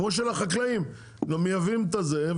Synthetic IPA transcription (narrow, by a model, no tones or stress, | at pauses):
moʃ̬elaχaklaim | nomjavimt̪̬aze